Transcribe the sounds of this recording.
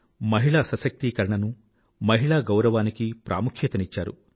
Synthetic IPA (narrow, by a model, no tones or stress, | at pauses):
mɐɦiɭaːsɐsɐk̚t̪iːkɐɾɐɳɐnu | mɐɦiɭaːɡɐwɾɐʋaːnikipɾʔa̰ːmukʰjɐt̪ɐnit͡ʃːaːɾṵ